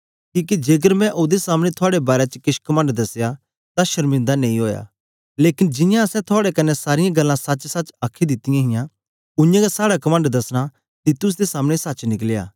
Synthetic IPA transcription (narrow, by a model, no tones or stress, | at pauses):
kiːk̬id͡ʒeːɡəɾmɛ̃ʔoːd̪esaːmɽ̃et̪ʰʊaːɽebaːɾet͡ʃəkɪʃkɐmə̃ɳɖd̪ɐsja | t̪ãʃɐɾmɪ̃nd̪anẽːĩɦoːja̰ː | leːkɪnd͡ʒɪjãɐsɛ̃t̪ʰʊaːɽekɐnːɛsaːɾɪjãɡɐlːãsɐt͡ʃsɐt͡ʃaːkʰid̪ɪt̪ɪjãɦɪjã | ʊjãɡasaːɽakɐmə̃ɳɖd̪ɐsɽ̃a | t̪iːt̪ʊs̬d̪esaːmɽ̃esɐtːt͡ʃnɪk̬leja̰ː